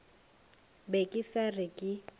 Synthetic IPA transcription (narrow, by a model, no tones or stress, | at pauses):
bekʼisarɪkʼɪ